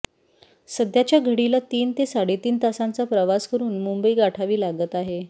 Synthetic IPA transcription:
səd̪jat͡ɕjaɡʱəɽilat̪iːnt̪esaɽet̪iːnt̪asãnt͡sapɾəʋaskəɾuːnmumbəiɡaʈʰaʋiːlaɡət̪aɦe

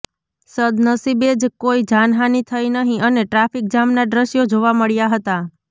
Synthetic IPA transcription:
səd̪nəsibed͡ʒkoid͡ʒanɦanit̪ʰəinəɦĩʔəneʈɾafik̚d͡ʒamnaɖɾəʃjod͡ʒoʋaməɭjaɦət̪a

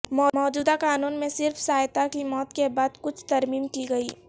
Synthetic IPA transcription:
mɔːmɔːd͡ʒuːd̪akaːnuːnmẽsɪɾfsaːjt̪akimɔːt̪kebaːd̪kʊt͡ʃʰt̪ɐɾmiːmkiɡɐiː

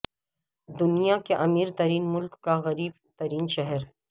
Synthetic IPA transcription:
d̪ʊnijakeʔɐmiːɾt̪ɐɾiːnmʊlkːaɣɐɾiːbt̪ɐɾiːnʃɛɦɛɾ

